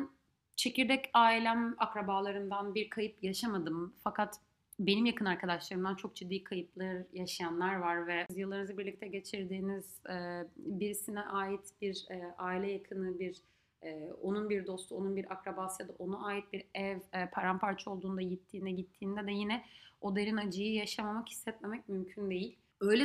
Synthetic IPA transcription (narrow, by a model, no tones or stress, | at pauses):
n | t͡ʃʰe̞ciɾd̪ɛcaːilʲæmakɾabaːlˠaɾɯnd̪anbiɾkʰajɯpjaʃamad̪ɯmfakʰat̪ | be̞nimjakʰɯnaɾkʰad̪aʃlˠaɾɯmd̪ant͡ʃʰo̞k̚d͡ʒid̪ːiːkʰajɯplˠɯjaʃajanlˠaɾvaɾvɛzjɯlˠːaɾɯnɯzɯbiɾlʲic̚t̪ʰɛɟe̞t͡ʃʰiɾd̪iːniz̥ɛːbiɾisinɛʔaːjit̪biɾɛːaːilʲɛjakʰɯnɯbiɾ | ɛːo̞nunbiɾd̪o̞st̪ʰuo̞nunbiɾakɾabasjad̪aʔo̞naaːjit̪̚biɾɛvɛpʰaɾampʰaɾt͡ʃʰɛo̞lˠd̪uːnd̪ajit̪ʰːiːnd̪ɛɟit̪ʰːiːnd̪ɛd̪ɛjinɛo̞d̪eɾinad͡ʒɯjɯjaʃamamaki̥sːɛt̪memɛc̚mymcʰynd̪e̞jilʲ | ø̞jlʲɛ